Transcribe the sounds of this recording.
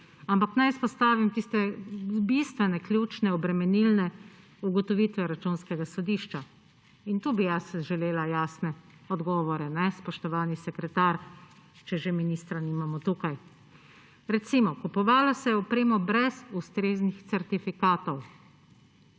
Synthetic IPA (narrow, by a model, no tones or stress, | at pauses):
ampaknajispɔst̪aːʋimt̪ist̪ɛbist̪ʋɛnɛkljuːt͡ʃnɛɔbɾɛmɛnilnɛ | uɡɔt̪ɔʋit̪ʋɛɾat͡ʃunskɛɡasɔd̪iːʃt͡ʃa | int̪uːbijasʒɛleːlajaːsnɛ | ɔd̪ɡɔːʋɔɾɛnɛspɔʃt̪ɔʋaːnisɛkɾɛt̪aːɾt͡ʃɛʒeminiːst̪ɾanimamɔt̪uːkaj | ɾɛt̪siːmɔkupɔʋaːlasɛjɛɔpɾeːmɔbɾɛzust̪ɾeːznixt̪sɛɾt̪ifikaːt̪ɔw